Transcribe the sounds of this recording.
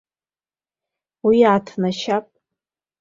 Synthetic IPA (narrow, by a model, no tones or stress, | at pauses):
wiʕatʰnaʃapʼ